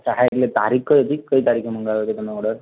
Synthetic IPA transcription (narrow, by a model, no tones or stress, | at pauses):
səɦajt̪let̪aɾikkəjɦot̪ikəɦiːt̪aɾikʰem̤əŋɡalot̪et̪umeoɽəɾ